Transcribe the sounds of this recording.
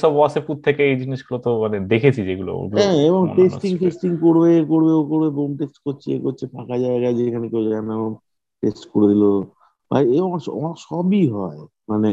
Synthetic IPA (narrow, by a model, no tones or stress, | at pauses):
ʃɔbaseput̪ʰːekeejd͡ʑiniʃɡulot̪omaned̪ekʰet͡ɕʰid͡ʑeɡulo̰o̰ɡuɛ̃eboŋesʈiŋʈesʈiŋkoɾbekoɾbeokoɾbebomʈesʈkoɾt͡ɕʰekoɾt͡ɕʰepʰakad͡ʑaeɡaed͡ʑekʰanekewd͡ʑanaeboŋ | ʈesʈkoɾed̪ilo | ba̰ieɔmaɔ̰maʃɔbiɦɔemane